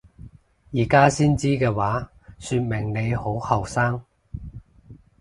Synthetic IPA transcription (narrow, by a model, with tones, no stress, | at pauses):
jiː˨˩kaː˥siː˥nt͡siː˥kɛː˧waː˨˥ | syː˧t̚mɪ˨˩ŋne˨˧jho˨˥whɐ˨˩wsaː˥ŋ